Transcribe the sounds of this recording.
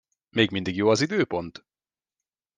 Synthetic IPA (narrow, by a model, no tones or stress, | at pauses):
meːɡmind̪iɡjoːɒzid̪øːpo̞nt̪